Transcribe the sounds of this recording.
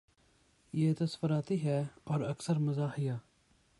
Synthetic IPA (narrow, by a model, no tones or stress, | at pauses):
jeːt̪ɐsfəɾaːt̪iɦɛɔːɾɐksəɾmɐzaːhija